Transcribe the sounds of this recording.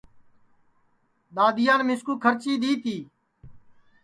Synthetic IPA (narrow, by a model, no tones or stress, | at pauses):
ɗ̪aːd̪ɪjãːnmɪskuːkʰəɾt͡ʃiːɗ̪iːt̪ʰiː